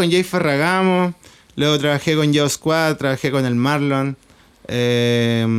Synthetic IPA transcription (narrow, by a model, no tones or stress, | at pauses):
onjajferaɣamo | lweɣot̪ɾaβaxekonjaoskwat̪ːɾaβaxekonelmaɾlon | e